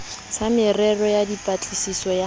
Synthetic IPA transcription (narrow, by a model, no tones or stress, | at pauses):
sʰamɪrɛrɔjadipʼat͡ɬʼisisɔja